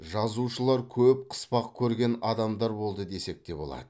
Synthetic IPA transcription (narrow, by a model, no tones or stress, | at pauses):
ʒɑzuʃəlˠɑɾkʲʰɵp̚qʰə̥spɑqkʲʰɵɾɡʲe̞nɑd̪ɑmd̪ɑɾbo̞lˠd̪əd̪e̞se̞k̚t̪e̞bo̞lˠɑ̰d̪ə